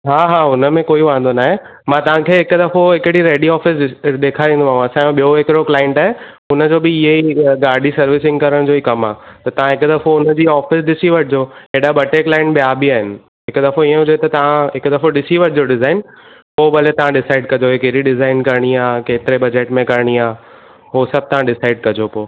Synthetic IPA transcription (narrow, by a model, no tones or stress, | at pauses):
ɦaːɦaːʊnə̆mẽkoːiʋãːə̃nd̪onaːɦemãːt̪ɐʋ̤ãkʰeːɦɪkʊd̪ɐfoɦɪkɽiɾeːɖiɔːfɪsɗ̪eːkʰaɾĩːnd̪uaːɦũɐsãẽɓijoɦɪkɪɾoklaːɪ̃ɳʈaːɦe | ʊnə̆d͡ʑoːbɪɪɦeiɡaːɖʱisɐɾʋɪsɪ̃ŋɡkɐɾəɽ̃d͡ʑoːikɐmaːt̪ɐt̪ɐʋ̤ãɦɪkd̪ɐfoʊnəd͡ʑiːɔːfɪsɗɪsiʋɐʈʰɪd͡ʑoːeɗabɐʈeːklaːɪ̃ɳʈɓijaːbiaːɦɪnɪ̆ | ɦɪkd̪ɐfoiə̃ɦʊd͡ʑoet̪ɐt̪ɐʋ̤ãɦɪkd̪ɐfoɖɪsiʋɐʈʰɪd͡ʑoɖɪzaːɪn | poːbɐlet̪ɐʋ̤ãɖɪsaːɪɖ̚kɐd͡ʑoɦekeɾiɖɪzaːɪnkɐɾɽ̃iaːkeːt̪ɪɾebɐd͡ʑeːʈmẽkɐɾɽ̃iaː | ɦosɐb̚t̪ɐʋ̤ãɖɪsaːɪɖ̚kɐd͡ʑopoː